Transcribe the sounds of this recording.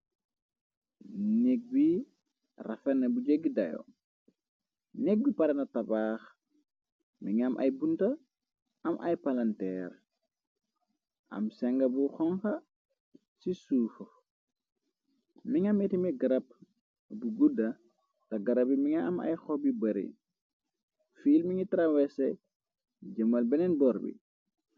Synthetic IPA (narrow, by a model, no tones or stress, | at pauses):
nek̚bi | ra̰fɛnːɐbud͡ʒeɡidɐ̰jo̰ | nek̚bipaɾɐnɐtabaːx | miŋɐmʔɐ̰jbunta | ɐmʔa̰jpalɐntɛːɾ | ʔɐ̰msɛŋɡɐbuxɔŋkɐ | sisuːfo | miŋɐmɛtimɛɡɐɾɐp̚ | buɡudɐ | tɐɡɐɾɐbimiŋɐːmɐ̰jxɔbibɐɾḭ | fiːlmiŋitɾawɛsɛ | ɟɐmɐlbɛnɛnbɔɾbḭ